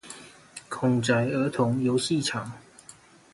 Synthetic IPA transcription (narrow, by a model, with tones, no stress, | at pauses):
kʰʊ˨˩ŋʈ͡ʂa˨˩ɪə˧˥t̪ʰʊ˧˥ŋjo˧˦ʊɕi˥˨ʈ͡ʂʰɑ˨˩ŋ